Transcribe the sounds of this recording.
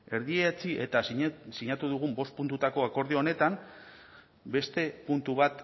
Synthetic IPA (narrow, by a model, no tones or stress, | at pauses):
e̞ɾðiet͡siʔe̞t̪asiɲat̪uðuɣ̞umbo̞st̪̚punt̪ut̪ako̞ako̞ɾðio̞ne̞t̪am | be̞st̪e̞punt̪uβat̪